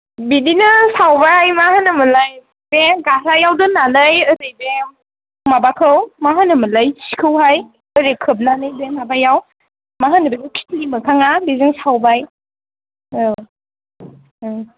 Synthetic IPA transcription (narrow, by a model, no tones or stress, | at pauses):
bidinɯsawbajmahanɯmɯlaj | beŋɡaɾajawdɯnanajɯdejbeŋ | mabakʰɯwmaɦanɯmɯlajsikʰɯwɦaj | əɾekʰɯp̬̚nanɯjbeŋmabajaw | maɦanɯbenɯkʰi̥tʰlimɯkʰaŋabiziŋsawbaj